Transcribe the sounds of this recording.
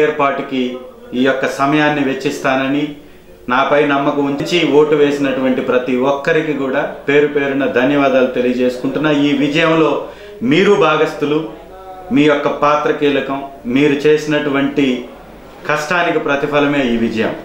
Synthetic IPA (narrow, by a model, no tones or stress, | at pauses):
jɐɾpaːʈikiː | jɔkːɐsɐmɐjaːnːiʋe̞t͡ʃːist̪aːnɐni | naːpɐjnɐmːɐkuuɲt͡ʃt͡ʃio̞ːʈuʋe̞ːsinɐʈuʋɐɳʈipɾɐt̪iʋɔkːɐɾikikuːɽaːpe̞ːɾupe̞ːɾunɐd̪ʱɐnjɐʋaːd̪aːlut̪e̞lijɐd͡ʒe̞ːsu̥kuɳʈunːaːiːʋid͡ʒɐjɐmlo̞ː | miːɾubʱaːɡɐst̪ulu | miːjɔkːɐpaːt̪ɾɐkiːlɐkɐmːiːɾut͡ʃe̞ːsinɐʈuʋɐɳʈi | kɐʂʈaːnikipɾɐt̪ipʰɐlɐme̞ːiːʋid͡ʒɐjɐ̰m